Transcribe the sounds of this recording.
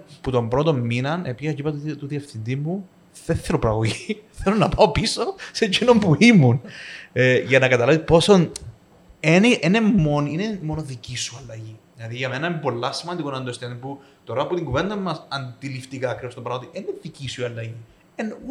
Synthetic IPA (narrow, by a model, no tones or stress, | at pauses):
put̪o̞mbɾo̞t̪o̞mːinɐnepiɐcipɐt̪t̪uðiɐfθind̪iːu | θeθːeɾopɐɾɐɣoʝiθelonːɐpɐopisose̞cino̞mpuimun | ʝɐnɐkɐt̪ɐlɐvipo̞son | eniʔenemoninemo̞noðicisuɐlːɐʝiðilɐðiʝɐmenɐimpo̞lːɐsimɐnd̪ikonɐnd̪ost̪enipu | t̪o̞ɾɐput̪iŋɡuve̞nd̪ɐmːɐsɐnd̪ilift̪ikɐːkɾivost̪opɐɾɐot̪ieneðicisuiɐlːɐʝi | en